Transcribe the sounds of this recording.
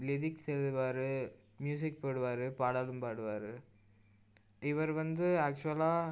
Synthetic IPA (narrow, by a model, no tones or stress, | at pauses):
lɪðɪksɛlɯʋaːɾɯ | mjuːs̬ɪk̚pɐːɽɯʋaːɾɯpaːɽaːlɯmpaːɽɯʋaːɾɯ | ɪʋɐɾʋɐnd̪ɯaːk̚t͡ʃʊɐlaː